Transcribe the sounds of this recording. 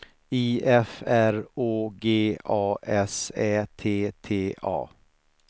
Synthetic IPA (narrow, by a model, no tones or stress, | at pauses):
iːʔɛfæɾoːɡeːʔɑːʔɛsɛːt̪ʰeːt̪ʰeːɑ̰ː